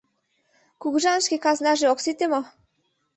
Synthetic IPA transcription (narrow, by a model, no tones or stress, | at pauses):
kuɣuʒɑnə̆ʃkekɑznɑʒeoksit̪ʲemo